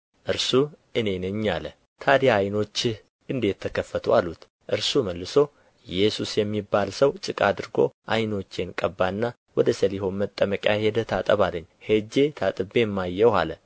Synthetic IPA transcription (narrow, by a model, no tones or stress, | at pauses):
ʔɨɾsuʔɨne̞nɨɲːalə | t̪ʰad̪ejaːjno̞t͡ʃː | ʔɨnd̪et̪ʰːəkʰəfːət̪ʰualut̪ | ʔɨɾsuməlːɨso̞ | jɛsusjɛmːibːalsəwt͡ʃʼɨkʼad̪ɨɾɡo̞̰ʔajno̞t͡ʃːe̞nkʼəbːaɨnːa | wɔd̪əsəliho̞nmət̪ʼːəməkʼajhed̪ət̪ʰat̪ʼəβalːəɲːhed͡ʒe̞t̪ʰat̪ʼɨbe̞mːajːɛwa̰lə